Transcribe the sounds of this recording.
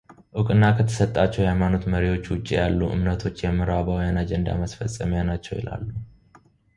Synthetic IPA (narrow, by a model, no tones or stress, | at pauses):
ʔɨkʼɨnːakʰət̪ʰə̥sət̪ʼːat͡ʃːɛwhhajmano̞t̪məɾiwo̞t͡ʃːwʊt͡ʃʼːijalːuʔɨ̰mnət̪ʰo̞t͡ʃːjɛmːɨɾabəwjanad͡ʒɛnd̪a̰məsfəsʼəmjanat͡ʃːɛwjɪ̰la̰lːu